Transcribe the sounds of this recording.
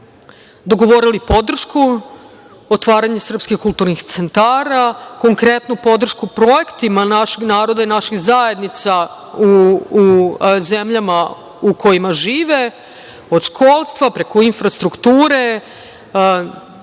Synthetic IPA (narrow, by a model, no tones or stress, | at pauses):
d̪o̞ɡo̞ʋo̞ɾilipo̞d̪r̩ʃku | ot̪ʋaːɾaɲesr̩pskixkulˠt̪uɾnixt̪sent̪aːɾako̞ŋkɾe̞t̪nupo̞d̪r̩ʃkupɾo̞jekt̪imanaʃeɡnaːɾo̞d̪ainaʃiɣzaje̞d̪nit̪sa | uː | zemʎama | ukʰo̞jimaʒiːʋe | o̞d̪ʃkʰo̞ːlˠst̪ʋapɾekoinfɾast̪ɾukt̪uːɾe̞